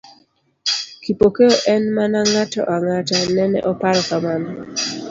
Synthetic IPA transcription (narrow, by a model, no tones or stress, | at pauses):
kipokeoʔɛnmanaŋatɔ̰ʔaŋatanɛnɛ̰ʔɔpaɾɔkamanɔ